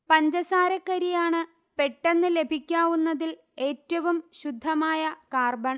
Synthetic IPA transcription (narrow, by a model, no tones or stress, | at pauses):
pɐɲd͡ʑɐsaːɾɐkːɐɾijaːɳɨ | pe̞ʈːenːɨle̞bʱikʲːaːʋunːɐðil | e̞ːtːɐʋumɕud̪ʱːɐmaːjɐkaːrbɐɳ